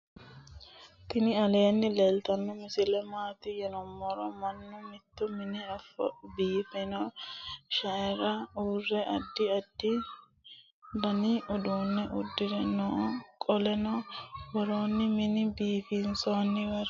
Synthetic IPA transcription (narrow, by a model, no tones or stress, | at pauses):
t̪ɪnɪɐleːnːɪleːlt̪ɐnːɔmɪsɪlɛmaːt̪ɪjɛnɔmːɔɾɔmɐnːʊmɪt̪ːɔmɪnɪɐfɐ̰biːfɛnɔ | ʃɐɛɾɐuːrːɛʔɐd̪ːɪɐd̪ːɪ | bɐnɪʔɔd̪uːnːɛʔʊd̪ːɪdɛnɔkʼɔlɛnɔwɔɾoːnːɪmɪnɪbiːfinsonːɪwɐɾ